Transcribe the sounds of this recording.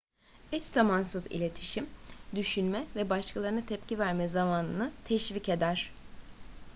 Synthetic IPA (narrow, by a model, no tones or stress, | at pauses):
ɛt̪zamansɯzḭlʲe̞t̪ʰiʃimd̪yʃynmɛvɛbaʃkʰalˠaɾɯnɯt̪ʰɛpcivæɾmɛzamaːnɯnɯt̪ʰɛʃvice̞d̪æɾ̝̥